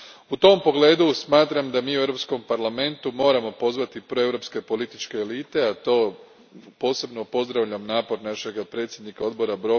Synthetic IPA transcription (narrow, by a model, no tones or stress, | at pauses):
ut̪o̞mpo̞ɡle̞ːd̪usmaːt̪ɾamd̪amiːue̞vɾo̞psko̞mpaɾlame̞nt̪umo̞ːɾamo̞po̞zʋat̪ipɾoe̞vɾo̞pske̞po̞lit̪it͡ʃke̞ːliːt̪e̞at̪o̞ː | po̞ːse̞bno̞po̞zd̪ɾaʋʎamnaːpo̞ɾnaʃe̞ɡapɾe̞t̪sʲjed̪nikao̞d̪bo̞ɾabɾo̞